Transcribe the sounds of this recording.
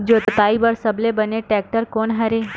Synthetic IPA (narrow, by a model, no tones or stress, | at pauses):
d͡ʒoːt̪ət̪aːibəɾsɐblebɐneʈɛːk̚ʈəɾkoːnɦɐɾeː